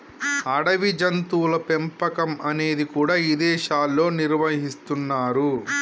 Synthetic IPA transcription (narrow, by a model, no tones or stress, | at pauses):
ɐɽɐʋid͡ʒɐnt̪uːlɐpempɐkɐmɐne̞ːd̪ikuːɽaːid̪ɛːʃaːlːo̞ːniɾʋɐɦist̪unːaːɾu